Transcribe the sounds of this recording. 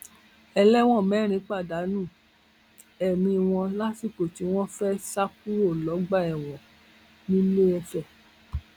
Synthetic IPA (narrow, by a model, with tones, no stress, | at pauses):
ɛ˧lɛ˦w̃ɔ̃˦˨mɛ̃˨˦ɾ̃ĩ˨˦k͡pa˦˨da˨˦nũ˦˨ | ɛ˨mĩ˧w̃ɔ̃˧la˦si˦˨ko˨ti˨˧w̃ɔ̃˦fɛ˦sa˦k̚u˦ɾo˦˨lɔ˨˦ɡ͡ba˦˨ɛ˨w̃ɔ̃˨ | nĩ˦le˦ɛ˧fɛ˦˨